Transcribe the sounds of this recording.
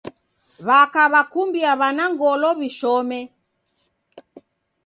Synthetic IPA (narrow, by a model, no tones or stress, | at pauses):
βakaβakumbiaβanaŋɡɔlɔβiʃɔmɛ